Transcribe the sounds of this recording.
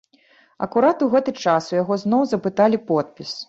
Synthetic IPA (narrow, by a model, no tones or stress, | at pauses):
ɐ̰kuɾat̪uɣɛt̪ɨt͡ʂasujaɣɔznɔwzɐpɨt̪alʲipɔt̪̚pʲis